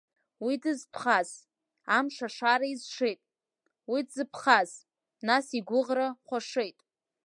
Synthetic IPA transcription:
widɨzpʰχaz | amʂaʂaɾaizʂejtʼ | widzɨpʰχaz | nasiɡʷʊʁraχʷaʂejtʼ

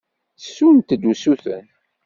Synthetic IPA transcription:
sːunt̪d̪usuθə̰n

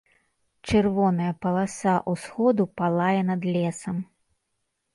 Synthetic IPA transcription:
t͡ʂɨrvɔnɐjɐpɐlˠasaʔusxɔd̪upalˠajɛnɐd̪lʲɛsɐm

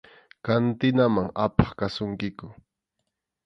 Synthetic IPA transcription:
kant̪ɪnamaŋapḁχkasʊŋkɪkʊ

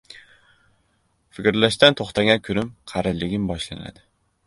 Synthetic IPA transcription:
fɪkʲɾlaʃt̪ant̪ʰoχt̪aɡʲankʲʰʊɾɪmqʰɑɾɪlɪɡʲɪmbɒʃla̰na̰d̪ɪ

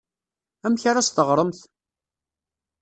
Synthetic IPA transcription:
æmçaɾast̪əʁɾˤəmθ

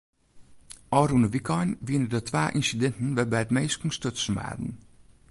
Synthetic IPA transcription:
ʔɔɾunəʋikʰɔjnʋinədətʰʋaːʔinsidɛntn̩ʋɛbɛjətmeːskŋ̩støsn̩ʋa̰ːdn̩

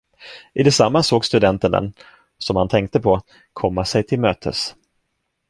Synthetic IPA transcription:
ʔɪd̪ɛsamːasoːɡst̪ɵd̪ɛnt̪ənɛ̰n | sɔmhant̪ʰɛŋk̚t̪əpʰɔ | kʰɔmːasɛjt̪ʰɪlmøːt̪ʰə̰s

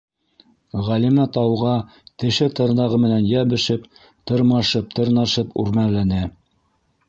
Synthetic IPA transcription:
ʁælimæt̪ɑwʁɑ | t̪ɘ̆ʃɘt̪ɤ̆ɾnɑʁɤmɘ̆nænjæβɘ̆ʃɘp | t̪ɤ̆ɾmɑʃɤp̚t̪ɤ̆ɾnɑʃɤpʉ̰ɾmænlænæ

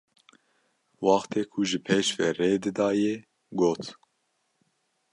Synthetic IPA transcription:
wɑːxt̪ʰeːkʰuʒɨpʰeːʃvɛreːd̪ɨd̪ɑːje | ɡoːt̪ʰ

